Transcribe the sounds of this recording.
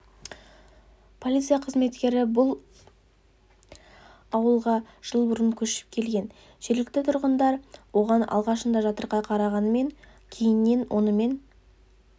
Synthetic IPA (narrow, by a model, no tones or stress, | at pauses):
pʰolʲit̪sɨjaqʰəzme̞t̪kʲe̞ɾɪbʊlˠ | ɑwəlˠʁɑ | ʒ̥əlˠbʊɾəŋkʲʰɵʃɪ̥p̚kʲʰe̞lɡʲe̞n | ʒ̥e̞ɾlɪk̚t̪ɪt̪ʰʊɾʁənd̪ɑɾwo̞ʁɑnɑ̰lˠʁɑʃənd̪ɑʒɑt̪əɾʁɑqʰɑɾɑʁɑnəme̞ŋ | kʲʰe̞jɪnːe̞nwʔo̞nəme̞n